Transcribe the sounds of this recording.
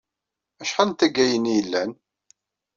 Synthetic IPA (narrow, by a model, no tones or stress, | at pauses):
æʃħalnt̪æɡæjənijəlːæn